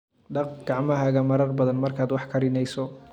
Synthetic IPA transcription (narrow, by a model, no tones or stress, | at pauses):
ɖɑqɡ̥ɑʕmɐɦɐɣɐmɐɾɐrbɐðɐnmɐrkʰaːd̪wɑħkʰɐɾɪnɛjsɔ